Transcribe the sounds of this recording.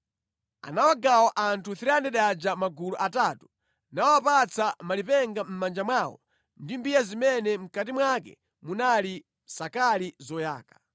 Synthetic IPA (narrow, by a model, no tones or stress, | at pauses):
a̰nawaɡawɔʔantʰuθiɾiandɛɗad͡ʒamaɡuluʔataːtu̥ | nawapat͡sʰamalipɛŋɡam̩mand͡ʒamwawɔ̰ | ndimbijazimɛnɛm̩katimwakɛ̰ | munali | sakalizɔja̰ːkḁ